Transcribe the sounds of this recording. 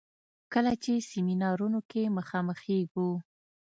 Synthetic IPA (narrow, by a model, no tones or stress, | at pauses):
kəlat͡ʃesiminɑɾunokeməxɑməxeɡu